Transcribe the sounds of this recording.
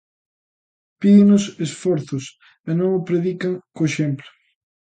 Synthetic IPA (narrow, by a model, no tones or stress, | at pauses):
piðɪnʊsesfɔɾθʊs | enõŋʊpɾeðikaŋkoeʃemplʊ